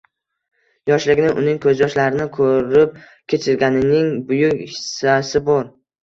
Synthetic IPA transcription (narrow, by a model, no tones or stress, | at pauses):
jɒʃlɪɡʲnɪʔʊnɪŋkʰɵzjɒʃlaɾɪnɪkʰɵɾɪp̚ | kʲʰe̞t͡ʃʰɪɾɡʲanɪnɪŋbʊjʊksasɪbɒɾ